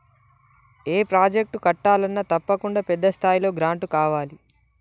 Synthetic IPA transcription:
e̞ːpɾaːd͡ʒek̚ʈukɐʈːaːlɐnːɐt̪ɐpːɐkuɳɖapɛd̪ːɐst̪ʰaːjilo̞ːɡɾaːɳʈukaːʋaːli

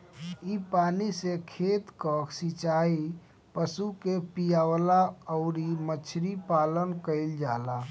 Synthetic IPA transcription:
ipaːnisekʰeːt̪kəsit͡ʃai | pəsukepijaʋlaɔʊɾimət͡ʃʰɾipaːlənkəɪld͡ʒaːla

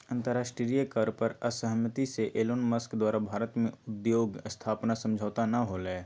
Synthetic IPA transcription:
ə̃nt̪əɾaːʃʈɾɾijəkəɾpəɾəsəɦəmət̪iseʔeːloːnməskd̪waːɾabʱaːɾət̪mẽʊd̪joːɡəst̪ʰaːpnasɐ̃md͡ʒʱaːt̪anɐɦolɛː

